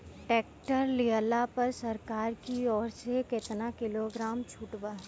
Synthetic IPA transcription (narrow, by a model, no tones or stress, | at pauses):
ʈeːkʈəɾlijəlapɐɾsɐɾkaːɾkiɔːɾsekɪt̪nakɪloɡɾaːmt͡ʃʰuːʈbaː